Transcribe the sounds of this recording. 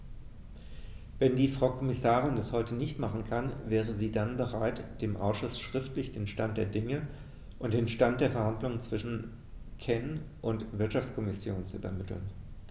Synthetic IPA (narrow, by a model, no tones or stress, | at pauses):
vɛndiːfʁ̥aʊkʰɔmɪsaːʁ̞ɪndashɔʏtənɪçtmaχn̩kʰanvɛːʁ̞əziːdanbəʁaɪtd̥eːmʔa̰ʊsʃʊsʃʁ̥ɪftlɪçd̥eːnʃtant̚d̥eːɐdɪŋə | ʔʊnt̚d̥eːnʃtant̚d̥eːɐfɛɐhandlʊŋənt͡sv̥ɪʃn̩ | kʰɛn | ʔʊntv̥ɪɐtʃaft͡skʰɔmɪsjoːnt͡suy̰bɐ̰mɪtl̩̰n